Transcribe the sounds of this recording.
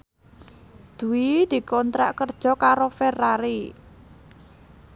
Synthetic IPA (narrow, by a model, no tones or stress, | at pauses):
d̪̥ṳwid̪̥i̤kɔnt̪ɾa̰ʔkərd̥ʒ̥ɔ̤kaɾofɛraɾi